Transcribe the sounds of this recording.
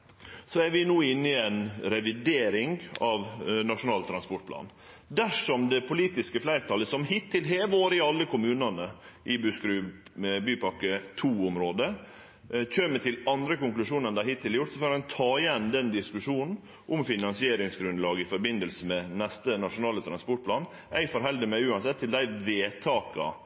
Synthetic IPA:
sɔæɾʋɪnuːɪnːɪɛnɾɛʋɪd̪eːɾɪŋɑʋnɑʂʊnɑːlt̪ʰɾɑnspɔʈ̚pʰlɑ̰ːn | d̪æʂɔmd̪ɛpʰʊliːt̪ɪskəflæɪɾt̪ʰɑləsɔmhɪt̪ʰːɪlɦeːʋoːɾəɪɑlːəkʰʊmʉːnɑnəʔɪbʉskɾʉːbyːpɑkːət̪ʰuːʊmɾoːd̪ə | c͡çøːmət̪ʰɪlɑnd̪ɾəkʊŋklʉʂuːnənd̪æɾhɪt̪ʰːɪlːjʊʈt̪sɔføːɾænt̪ʰɑːɪjɛnːd̪ɛnd̪ɪskʉʂuːnn̩ | ʔʊmfɪnɑnsɪeːɾɪŋsɡɾʉnlɑːɡɪfɔɾbɪnd̪əlsəmɛnɛst̪ənɑʂʊnɑːlət̪ʰɾɑnspɔʈ̚pʰlɑːn | æɪfɔɾɦɛld̪əmɛʉːɑnsɛt̪ʰːɪld̪æɪʋeːt̪ʰɑːkɑ̰

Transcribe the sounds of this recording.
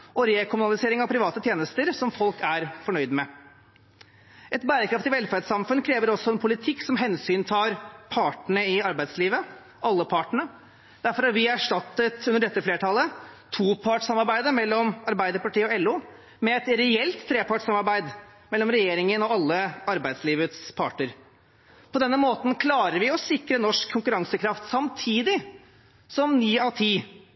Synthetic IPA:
ʔɔɾeːkʰʊmʉnɑlɪseːɾɪŋɑʋpʰɾɪʋɑːt̪ət̪ʰjeːnəst̪əɾsɔmfɔlkæɾfɔɳœʏd̪mɛ | ʔɛt̪bæːɾəkʰɾɑft̪ɪʋɛlfæɾɖsɑmfʉnkʰɾeːʋəɾɔsːɔɛnpʰʊlɪt̪ʰɪkːsɔmɦɛnsyːnt̪ʰɑːɾpʰɑːʈɳəɪɑɾbæɪd̪sliːʋə | ʔɑlːəpʰɑːʈəɳə | d̪æɾfɔɾɑɾʋɪæʂʈɑt̪ːət̪ʉnəɖɛt̪ːəfleːʈʰɑlːət̪ʰuːpʰɑʈsɑmɑɾbæɪd̪əɾmɛlːɔmɑɾbæɪd̪əɾpɑʈiːəɔɛlːuː | mɛɛt̪ɾɛɛlt̪ʰːɾeːpʰɑʈsɑmɑɾbæɪd̪ | mɛlːɔmɾɛjeːɾɪŋənɔɑlːəɑɾbæɪd̪sliːʋət̪spʰɑ̰ʈəɾ | pɔd̪ɛnːəmoːt̪n̩kʰlɑːɾəɾʋɪɔsɪkɾənɔʂkʰːʊŋkʉɾɑŋsəkʰɾɑft̪sɑmt̪ʰiːd̪ɪ | sɔmnyːɑt̪ʰiː

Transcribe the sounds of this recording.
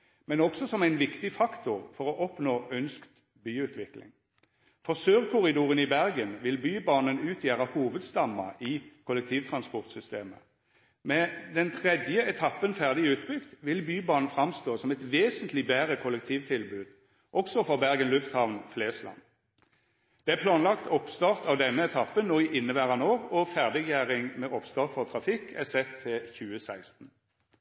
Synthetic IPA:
mɛnɔksɔsɔmæɪnʋɪkt̪ɪfɑkt̪ʊʁfɔʁɔʔɔpnoːʔœnskt̪ | byːʉːt̪ʰʋɪklɪ̰ŋ | fɔʁsøːʁkʰʊʁɪd̪uːʁənɪbæʁɡənʋɪlbyːbɑːnənʉːt̪ʰjæːʁəhuːʋəd̪st̪ɑmːɑ̰ɪkʰʊlːɛkt̪ʰiːʋt̪ʰʁɑnspɔʁt̪sʏst̪eːmə̰ | mɛd̪ɛnt̪ʰʁɛd̪jəɛt̪ʰɑpːənfæʁd̪ɪʉːt̪bʏkt̪ʋɪlbyːbɑːʁnnfʁɑmst̪oːsɔmɛt̪ʋeːsənt̪lɪbæːʁəkʰʊlɛk̚t̪ʰiːʋt̪ʰɪlbʉːd̪̥ | ʔɔksɔfɔʁbæʁɡənlʉft̪hɑʋnfleːslɑ̰n | d̪̥ɛæʁpʰlɑːnlɑkt̪ʰɔpst̪ɑʁt̪ɑʋd̪ɛnːəɛt̪ʰɑpːənnoːɪʔɪnːəbæʁɑnoːʁɔfæʁd̪ɪɡjæːʁɪŋmɛʔɔpst̪ɑːʁt̪fɔʁt̪ʰɾɑfɪkːæsɛt̪ʰːɪlçʉːəsæɪst̪n̩

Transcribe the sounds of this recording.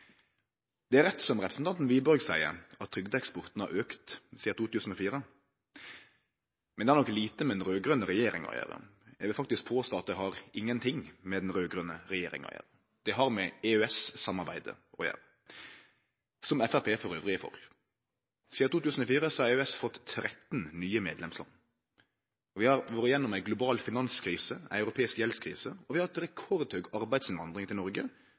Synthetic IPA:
d̪̥ɛæɾɛt̪sɔmʁɛpʰɾəsn̩t̪ʰɑnt̪n̩ʋiːbɔɾɡsæɪə̰ɾɑt̪ʰːɾʏɡd̪əɛkspɔʁt̪n̩hɑ̰ʔøːkt̪siːət̪ʰuːt̪ʉːsn̩ɔfiːɾə | mɛnd̪ɛhæʁnɔkliːt̪əmɛd̪ɛnɾøːɡʁœnːəʁɛjeːɾɪŋɔ̰jæ̰ːʁə̰jæ̰ɪʋɪlfɑkt̪ɪsk̚pʰoːst̪oːɑt̪̚d̪ɛhɑɾɪŋːənt̪ʰɪŋmɛd̪ɛnɾøːɡʁʉnəʁɛjeːɾɪ̰ŋɑ̰jæ̰ːɾə | d̪̥ɛɦɑʁmɛeøːɛssɑmːɑɾbæɪd̪ə̰ | ɔjæ̰ːɾə | sɔmɛfæɾpʰeːfɔɾøːʋʁɪəfɔ̰ɾ | siːɑt̪uːt̪ʉːsən̩ɔfiːɾəsɔhɑɾɛsfɔt̪ʰːɾɛt̪nnyːəmeːd̪lɛmslɑ̰ŋ | ɔʋɪhɑɾʋɔːɾəjɛnːʊmæɪɡlʊbɑːlfɪnɑnskʰɾiːsəæ̰ɪɑʉɾʊpʰeːɪskjɛlskʰɾḭːsəɔʋɪhɑɾɛt̪ɾɛkʰɔɾd̪hœɡɑɾbæɪd̪sɪnʋɑnd̪ʁɪŋt̪ʰɪlnɔɾɡə

